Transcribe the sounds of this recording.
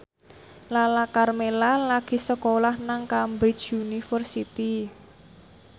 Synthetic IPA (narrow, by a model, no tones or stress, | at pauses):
lalakarmelalaɡ̥i̤səkolahnaŋkambɾit͡ʃunifərsit̪i